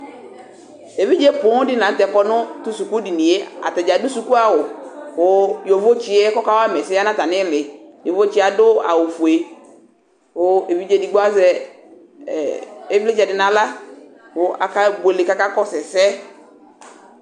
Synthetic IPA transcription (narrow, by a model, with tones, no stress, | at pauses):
e˨vi˦d͡ʒe˦pʊ˨˦dɪ˦nã˨˦n̩˦tɛ˨kɔ˦nʊ̃˦tu˦su˨ku˦di˨nĩ˨e˦a̰˨ta˨d͡ʒa˨dʊ˦su˨ku˦a˨wʊ˨wʊ˨jo˨vo˦t͡ʃi˨e˦kɔ˦ka˦wa˦mɛ˨sɪ˦a˦nã˦ta˨nɪ̃˦lɪ˨jo˨vo˦t͡ʃi˦a˨dʊ˦a̰˨wʊ˨fu˨e˨ | wʊ˨e˨vi˦d͡ʒe˦di˨ɡ͡bɔ˦a˦zɛ˦˨ | e˦vlɪ˦d͡ʒɛ˨dɪ˨nã˨la˦ | wʊ˨a̰˨ka˦be˨lɪ˨ka˦ka˦kɔ˦sɛ˨sɛ˦